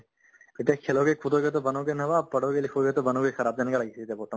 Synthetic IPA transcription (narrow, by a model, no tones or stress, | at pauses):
ɪt̪ekʰeːlõkekʰuːt̪oɡet̪̬obɐnõkenɐʋaːpɐɽ̤okelɪkʰoɡet̪obɐnõkɡexɐɾaːb̚d̪aːnekalɐɡiit̪epoːʈõ